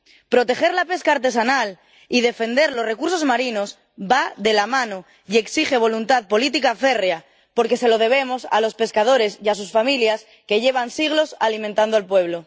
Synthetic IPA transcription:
pɾo̞t̪e̞xe̞ɾlape̞skaːɾt̪e̞sanal | iðe̞fe̞nd̪e̞ɾlo̞sre̞kuɾso̞zmaɾino̞s | baðe̞lamãno̞ | ie̞ksixe̞β̞o̞lunt̪aðpo̞lit̪ikafe̞rea | po̞ɾke̞se̞lo̞ð̞e̞β̞e̞mo̞sa̰lo̞spe̞skað̞o̞ɾe̞sias̬usfamiljas | ke̞ʝe̞β̞ansiɣ̞lo̞salimẽnt̪and̪oalpwe̞β̞lo̞

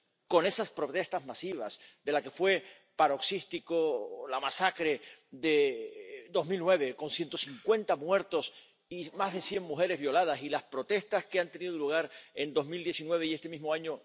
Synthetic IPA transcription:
ko̞ne̞saspɾo̞t̪e̞st̪azmasiβ̞a̰sd̪e̞lake̞fwe̞ | paɾo̞ksist̪ikolamasakɾe̞ðe̞ | d̪o̞zmilnwe̞β̞e̞ko̞nsjent̪o̞siŋkwe̞nt̪amwe̞ɾt̪o̞s | imazðe̞sje̞ŋmuxe̞ɾe̞zβjo̞lað̞asilaspɾo̞t̪e̞st̪askeant̪e̞niðoluɣ̞aɾe̞nd̪o̞zmild̪je̞sinwe̞β̞e̞iest̪e̞mizmoaɲo

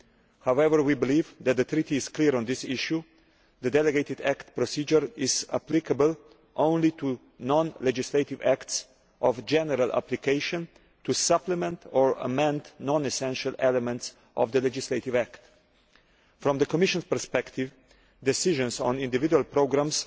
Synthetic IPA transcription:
hawɛvəɹwibɪliːvðæt̪̚ðət̪ʰɾitiːz̥kliɹɔ̃nd̪ɪsɪʃu | ðədɛləɡeɪt̪ɪdæktpɾɔsiːd͡ʒəɹɪzə̰plɪkʰəbəl | ʔõʊ̃nlit̪u | nɔ̃nlɛd͡ʒɪsleɪtɪvækts | ʔɔvd͡ʒɛnəɾalˠʔa̰plikeɪʃə̃n | tusʌpləmɛ̃ntʰɔɹə̰mɛ̃ndnɔ̃nɛsɛ̃nʃəlɛləmɛ̃nts | ʔɔ̰vðəlɛd͡ʒɪsleɪtɪvækt̪ | fɾɔ̃mðəkɔmɪʃə̃nspə˞spɛkt̪ɪv | d̪ɛsɪʒə̃nzɔ̰̃nɪ̃ndɪvɪdualˠpɾoʊɡɾãms

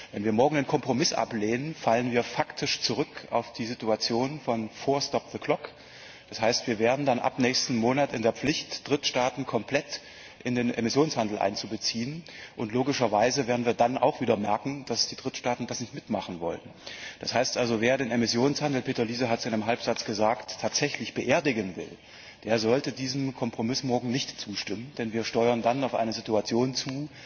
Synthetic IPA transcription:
vɛnviːɐmɔɐɡŋ̩deːnkʰɔmpʁ̥omɪsʔa̰pleːnənfalənviːɐfaktʰɪʃt͡suʁ̞ʏkʰa̰ʊfd̥iːzituat͡sjoːnfɔnfoːɐstɔp̚ðəkʰl̥ɔk | d̥ashaɪstv̥iːɐveːɐdn̩danʔa̰pnɛːçstn̩moːnatɪndeːɐp͡flɪçtd̥ʁɪtʃtaːtn̩kʰɔmpl̥ɛt | ʔɪndeːnʔḛmɪsjoːnshandl̩ʔa̰ɪnt͡subət͡siːənʔʊntloːɡɪʃɐvaɪzəveːɐdn̩viːɐdanʔa̰ʊxv̥iːdɐmɛɐkŋ̩d̥asd̥iːdʁɪtʃtaːtn̩d̥asnɪçtmɪtmaχn̩vɔ̰lənd̥ashaɪstʔalzoveːɐdeːnemɪsjoːnshandl̩pʰeːtɐliːzəɦatsɪnɪmɦalpz̥at͡sɡ̥əzaːktʰaːtz̥ɛçlɪçb̥əʔeːɐdɪɡənvɪ̰l | d̥eːɐzɔltədiːzəm̩kʰɔmpʁ̥omɪsmɔɐɡŋ̩nɪçtt͡suːʃtɪmənd̥ɛnviːɐʃtɔʏɐndanaʊfʔa̰ɪnəzituat͡sjoːnt͡suː

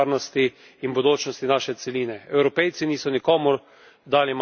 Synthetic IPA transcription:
ɾnɔst̪iː | nbod̪oːt͡ʃnɔst̪inaːʃɛt̪sɛliːnɛɛwɾɔpɛjt̪siniːsɔnikɔːmuɾ | d̪aːlim

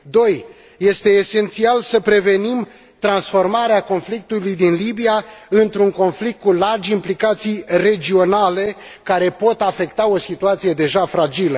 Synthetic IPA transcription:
d̪o̞j | je̞st̪e̞ːse̞nt̪sialsəpɾe̞ve̞nim | t̪ɾansfo̞rmaɾeako̞nflik̚t̪ulujd̪inlibijaɨnt̪ɾuŋko̞nflik̚t̪̚kulard͡ʒimplikat̪sijre̞d͡ʒio̞nale̞ | kaɾe̞po̞t̪afe̞kt̪ao̞sit̪uat̪sije̞d̪e̞ʒafɾad͡ʒilə

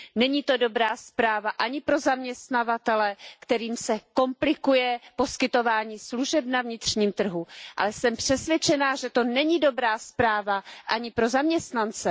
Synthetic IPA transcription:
nɛɲiːt̪o̞do̞bɾaːspɾaːvaʔaɲɪpɾo̞zamɲɛst̪navat̪ɛlɛkt̪ɛɾiːmsɛko̞mplɪkujɛpo̞skɪt̪o̞vaːɲiːsluʒɛbnavɲɪt̪r̝̥ɲiːmt̪r̩ɦuʔa̰lɛsɛmpr̥ɛsvʲjɛt͡ʃɛnaːʒɛt̪o̞nɛɲido̞bɾaːspɾaːvaʔaɲɪpɾo̞zamɲɛst̪nant͡sɛ

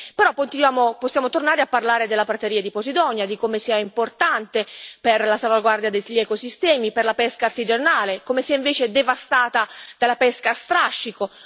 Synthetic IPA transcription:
peɾɔpːont̪inwjaːmoposːjaːmot̪ornaːɾeapːarlaːɾed̪elːapɾat̪eɾiːad̪iposid̪ɔnjad̪ikomesiaimport̪ant̪eperlasalvaɡward̪jad̪eʎːɛkosist̪ɛːmiperlapɛskaːrt̪id͡ʒanaːlekomesiaiɱveːt͡ʃed̪evast̪aːt̪ad̪̥alapɛskast̪ɾaʃːiko

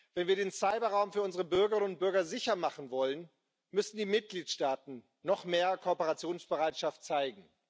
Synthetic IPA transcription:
v̥ɛnviːɐdeːnsaɪbɐʁaʊmfyːɐʊnzəʁəbʏɐɡəʁɪnənʊnt̚b̥ʏɐɡɐzɪçɐmaχn̩vɔlən | mʏsn̩diːmɪt̚ɡ̥liːtʃtaːtn̩ː | ɔχmeːɐkʰopəʁat͡sjoːnsb̥əʁaɪtʃaftt͡saɪɡŋ̩

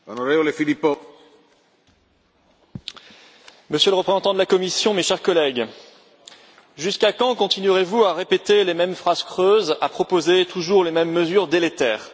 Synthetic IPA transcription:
onoɾevolefilipːo | məsjøləʁəpχezɑ̃t̪ɑ̃d̪əlakɔmisjɔ̃meʃɛʁkɔlɛɡ | ʒyskakɑ̃kɔ̃t̪inɥyʁevuaʁepet̪elemɛmfχaz̥kχøzapχɔpozet̪ʰuʒuʁlemɛmːəzyʁd̪elet̪ɛːʁ

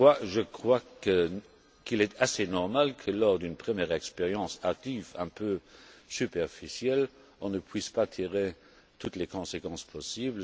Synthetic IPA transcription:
waʒəkχwakə | kilɛt̪asenɔʁmalkʰəlɔʁd̪ynpχəmjɛːʁɛkspeʁjɑ̃sak̚t̪ivɛ̃pøsypɛʁfisjɛl | ɔ̃nəpʰwispat̪ʰiʁe | t̪ʰut̪lekɔ̃sekɑ̃spʰɔsiːbl

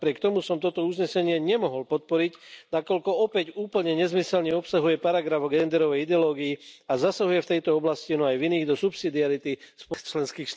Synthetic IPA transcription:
pɾɪɛkt̪ɔmusɔmt̪ɔt̪ɔuzɲɛsɛɲɪɛɲɛmɔɦɔlpɔt̪̚pɔɾicnakɔʎkɔɔpɛcuːpl̩ɲɛɲɛzmisɛlɲɛɔpsaɦujɛpaɾaɡɾavɔɡɛnd̪ɛɾɔʋɛjid̪ɛɔlɔːɡijiazasaɦujɛft̪ɛjt̪ɔɔblascinɔajviniːɣd̪ɔsupsid̪iaɾit̪ispɔt͡ʃlɛnskiːxʃt̪

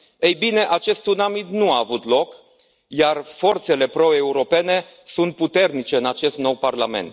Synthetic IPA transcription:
ejbine̞ʔat͡ʃe̞st̪unamit̪nuaːvut̪lo̞k | jarfo̞rt̪se̞le̞pɾo̞e̞uɾo̞pe̞ne̞ | sunt̪̚put̪e̞rnit͡ʃe̞ɨnat͡ʃe̞st̪no̞wparlame̞̰nt̪

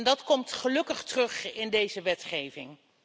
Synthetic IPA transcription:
ndɑtkɔmtχəlɵkəχtərɵχɪndejzəʋɛtχejvɪŋ

